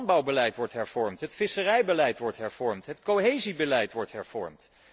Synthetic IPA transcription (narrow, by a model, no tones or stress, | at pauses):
nbɑwbəlɛjtʋɔɹtɦɛɹv̥ɔɹmtɦətfɪsərɛjbəlɛjtʋɔɹtɦɛɹv̥ɔɹmtɦətkoɦejzibəlɛjtʋɔɹtɦɛɹv̥ɔ̰ɹmt